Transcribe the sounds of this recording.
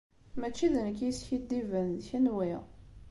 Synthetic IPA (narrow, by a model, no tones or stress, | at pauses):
mæt͡ʃːiðənəkisçid̪ːivənðçənwiʁ